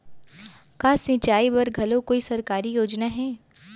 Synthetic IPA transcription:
kaːsɪ̃t͡ʃaːibɐɾɡʱɐlõkoːisɐɾkaːɾijoːd͡ʒnaɦɛː

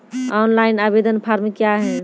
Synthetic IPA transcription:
ɔnlainabed̪ənpʰaɾmekjaɦɛ

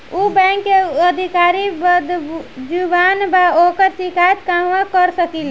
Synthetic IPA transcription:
ubɛ̃ːŋkːeəd̪ʱikaːɾibəd̪d͡ʒubaːnbaoːkəɾt͡ʃikat̪kamʋãkəɾsəkil

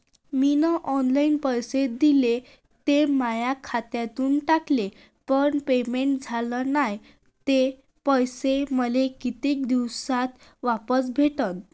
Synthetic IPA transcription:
minəʔɔnlainpəjsed̪ile | t̪emajakʰat̪jat̪uːnʈakle | pəɳpemeɳʈ̚d͡zʱalənaj | t̪e | pəjseməlekit̪eːk̚d̪iwsat̪ | ʋapəsbʱeʈət̪

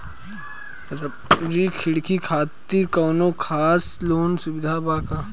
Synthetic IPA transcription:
ɾikʰɪɽkʰikʰaːt̪ːikɔːnõkʰaːsloːnsʊbɪd̪ʱabaːka

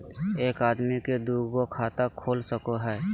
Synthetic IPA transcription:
eːkaːd̪miked̪uːɡokʰaːt̪akʰoːlsəkoɦɛː

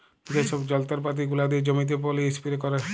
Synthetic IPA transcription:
d͡ʒesɔbd͡ʒɔlt̪ɔɾpat̪̬iɡulad̪id͡ʒɔmit̪̬ep̬ɔliispiɾekɔɾe

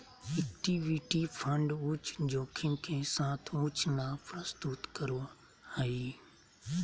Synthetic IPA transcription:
ɛk̚ʈiːʋiʈipʰə̃ɳɖʊt͡ʃd͡ʑoːkʰɪ̃kʰeːsãːt̪ʰʊt͡ʃʰnãpɾəst̪uːt̪kəɾo | aiː

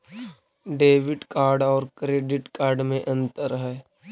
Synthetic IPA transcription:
ɖeːʋɪʈkaːɾɖɔːɾkɾeːɖɪʈkaːɾɖmẽʔɐ̃nt̪əɾɦɛː

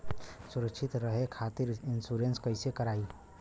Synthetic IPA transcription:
sʊɾəkʃɪt̪ɾəɦekʰaːt̪ɪɾɪnsuɾẽnskəɪsekəɾaːi

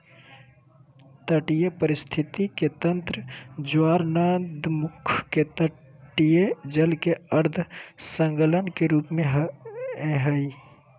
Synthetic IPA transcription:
t̪əʈijepəɾist̪ʰit̪ik̪et̪ənt̪ɾəd͡ʒaɾnad̪mukʰket̪ə | ʈijed͡ʒəlkeəɾd̪ʱsəŋɡələnkeɾupmeɦ | ɦəj

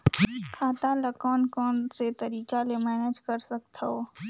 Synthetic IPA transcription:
kʰaːt̪aləkɔːnkɔːnset̪ɐɾiːkalemɛːneːd͡ʒkəɾsək̚t̪oː

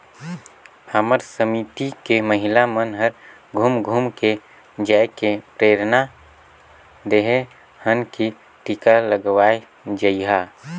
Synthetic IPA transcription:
əməɾsəmiːt̪ikeməɦɪlamənɦəɾ | ɡʱumɡʱumke | d͡ʒaːkepɾeːɾna | d̪eɦe | hənki | ʈikaləɡwaːe | d͡ʒəiɦaː

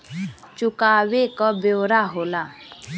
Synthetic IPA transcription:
t͡ʃʊkaːwekəbjoːɾaɦoːlaː

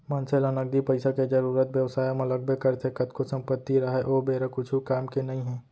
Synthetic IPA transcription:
mɐnselənəɡ̚d̪ipəɪsaked͡ʒɐɾuːɾət̪ʋjəwsaːjmɐləɡ̚bʱekɐɾt̪ʰekɐt̪kosɐ̃mpət̪ːiɾɐɦɛʔoːbeːɾakʊt͡ʃʰukaːmkenɐɦĩɦɛ̃ː

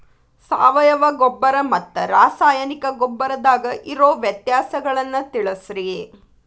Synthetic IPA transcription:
saːʋɐjɐʋɐɡɔbːɐɾɐmɐt̪ːɐɾaːsaːjɐnikɐɡɔbːɐɾɐd̪aːɡɐʔiɾoːʋjɐt̪jaːsɐɡɐɭɐnːɐt̪iɭɐsɾie

